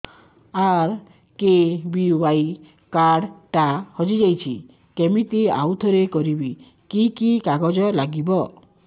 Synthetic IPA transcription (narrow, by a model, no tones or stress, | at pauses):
aɾ | kebiubaj | kaɖʈahɔd͡ʒid͡ʒajt͡ʃʰi | kemit̪ia̰wt̪ʰɔɾekɔɾibi | kikikaɡɔd͡ʒɔlaɡibɔ